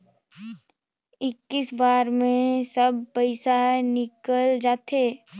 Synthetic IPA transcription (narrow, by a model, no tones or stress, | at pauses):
ɪkːɪsbaːɾmẽsəb̚pəɪsanɪkəld͡ʒaːt̪eː